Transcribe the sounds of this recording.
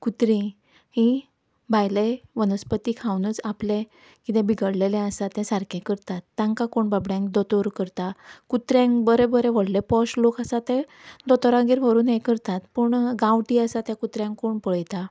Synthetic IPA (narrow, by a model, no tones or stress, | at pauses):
kut̪ɾĩ | hĩ | bʱajleʋənəspət̪ikʰawnət͡saplẽ | kit̪ɛ̃biɡəɽlelɛ̃əsat̪ɛ̃saɾkʰẽkəɾt̪at̪ːjãŋkakoɳbabɽjãŋkd̪ɔt̪oɾkəɾt̪akut̪ɾjãŋkbəɾebəɾeʋəɽlepɔslokəsat̪ɛ̃d̪ɔt̪ɔɾãɡeɾʋəɾuːnɦẽkəɾt̪at̪puɳɡãʋʈiəsat̪jãkut̪ɾjãŋkːoɳpəɭəjt̪a